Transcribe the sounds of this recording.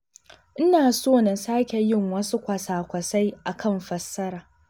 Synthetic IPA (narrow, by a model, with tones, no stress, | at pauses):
ʔɪ˦naː˨soː˦na˨saː˦kʲe˨jɪ˦ŋwɐ˦su˦kʷɐ˨saː˨kʷɐ˨sa˦jʔa˨kʰɐ˦˨mɸɐ˨sːɐ˦ɾaː˨